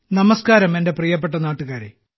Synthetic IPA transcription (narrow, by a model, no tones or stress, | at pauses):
nɐmɐskaːɾɐme̞nde̞prijɐp̬ːe̞ʈːɐnaːʈːuɣaːɾḛ